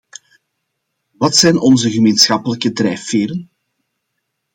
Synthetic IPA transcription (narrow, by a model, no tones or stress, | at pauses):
ʋɑtsɛjnɔnzəɣəmeːnsxɑpələkədrɛjfeːɾən